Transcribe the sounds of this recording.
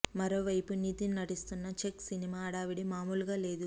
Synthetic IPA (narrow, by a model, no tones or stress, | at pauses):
mɐɾo̞ːʋɐjpuniːt̪ininɐʈist̪unːɐt͡ʃeksinimaːɽaːʋiɽimaːmuːlɡaːle̞ːd̪u